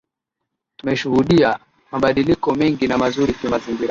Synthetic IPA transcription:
tumɛʃuhuɗia | maɓaɗilikɔmɛŋɡinamazuɾikimaziŋɡiɾa

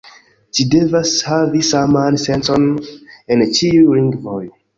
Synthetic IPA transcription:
ʃidevashavisamansɛ̃nsɔ̃nɛ̃nt͡ʃiuɾĩŋɡvoj

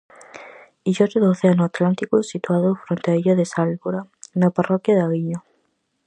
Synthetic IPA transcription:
iʒot̪eðooθeanʊat̪lant̪ikʊsit̪uaðofɾont̪eaeʎoðesalβoɾanaparɔkjaðaɣiɲo

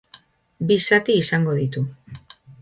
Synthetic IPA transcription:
bisat̪iːsaŋɡo̞ðit̪u

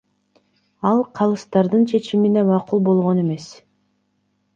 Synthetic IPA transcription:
ɑlˠqʰɑlˠɯst̪ɑɾd̪ɯnt͡ʃʰe̞t͡ʃiminemɑqulˠbo̞lˠʁo̞ne̞me̞s

